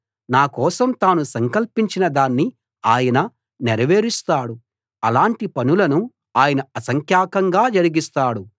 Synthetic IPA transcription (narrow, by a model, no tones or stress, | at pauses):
naːkɔːsɐmt̪aːnusɐŋkɐlpiɲt͡ʃinɐd̪aːnːi | aːjɐnɐ | nɛɾɐʋe̞ːɾist̪aːɽu | ɐlaːɳʈipɐnulɐnu | aːjɐnɐɐsɐŋkʰjaːkɐŋɡaːd͡ʒɐɾiɡist̪aːɽu